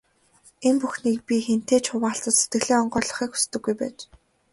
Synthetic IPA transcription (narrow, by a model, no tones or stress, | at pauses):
empuxniːk̚pʲixen̥t̪eːt͡ɕʰʊwaːɬt̪ə̆t̪se̥t̪̚ɡɘ̆ɮeːɔɴɢœːɮɞ̆χiːkxu̥st̪ɘ̆ɡːujpæːt͡ɕ